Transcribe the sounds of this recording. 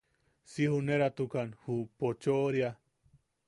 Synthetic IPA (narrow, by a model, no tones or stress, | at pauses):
sihuneɾat̪ukanhupot͡ʃoɾja